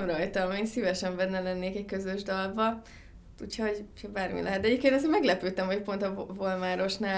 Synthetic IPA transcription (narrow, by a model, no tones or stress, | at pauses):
mrɒjt̪ɒlmeːnsivɛʃɛɱbɛnːɛlɛnːeːkɛckøzø̞ʒd̪ɒlvbɒ | t̪uchɒoɟuchɒbaːrmḭlɛ̰ɦɛt̪d̪ɛɟepkeːnɒzeːɾmɛɡlɛpøːt̪ɛmɦo̞cpo̞nt̪ɒvolmaːɾo̞ʃnaː